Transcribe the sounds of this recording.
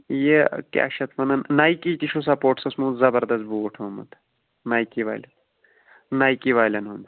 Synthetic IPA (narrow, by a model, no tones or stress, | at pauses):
jekʲa̰ːkʃɐt̪ʰmɐnɐnnajkit̪iʃʰus̬ɐpoːʈsɐsmũːzɐbɐɾd̪ɐs̬boːʈʰoːmɐ̰t̪ | naːjkiʋa̰ːlʲɐt̪ | naːjkiʋaːjlʲɐnɦond̪